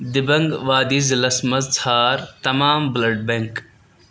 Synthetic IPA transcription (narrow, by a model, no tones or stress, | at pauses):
d̪ɪbɐŋɡʋaːd̪izlɐsmɐzt͡sʰaːɾt̪ɐmaːmblɐɖ̚bẽŋk